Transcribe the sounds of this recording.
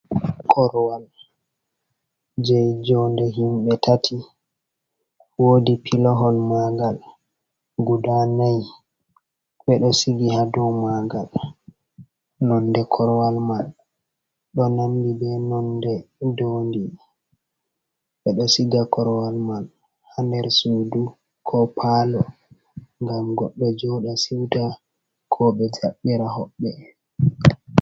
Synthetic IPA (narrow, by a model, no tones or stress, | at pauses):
kʰɔɾwal | d͡ʒɛjd͡ʒɔndɛɦimɓɛtʰatʰi | wodipʰilɔɦɔnmaɡal | ɡudanaj | ɓɛɗɔsiɡihadɔwmaɡal | nɔndɛkʰɔɾwalmal | ɗɔnambibɛnɔndɛdondi | ɓɛɗɔsiɡakɔɾwalman | handɛɾsuːdu | kʰɔpʰaːlɔ | ŋɡamɡɔ̰ɓːɛd͡ʒɔɗasiwta | kʰɔbɛd͡ʒaɓːiɾaɦɔɓːɛ